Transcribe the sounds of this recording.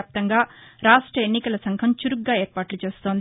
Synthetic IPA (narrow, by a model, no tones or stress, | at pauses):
ap̚t̪ɐŋɡaːɾaːʂʈɾɐenːikɐlɐsɐŋkʰɐmt͡ʃuɾuɡɡːaːeːɾpaːʈlut͡ʃe̞ːst̪o̞ːnd̪i